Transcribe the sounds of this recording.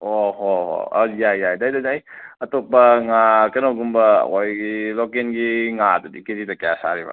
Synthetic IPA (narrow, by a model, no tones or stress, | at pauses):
ohoɦo̰a̰jajajdajdadaj | ɐtopːɐŋakɐnoɡumbɐ̰kojlokenɡiŋadudikizitɐkjasa̰ɾiba̰